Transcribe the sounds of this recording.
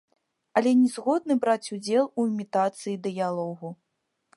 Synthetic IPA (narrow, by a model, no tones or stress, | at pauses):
ɐlʲɛnʲɛzɣɔd̪nɨbɾat͡sʲud͡zʲɛlˠuimʲit̪at̪sɨjid̪ɨjalˠɔɣu